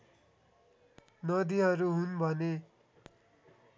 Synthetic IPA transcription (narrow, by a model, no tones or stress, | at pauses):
nʌd̪iɦʌɾuɦunbʱʌne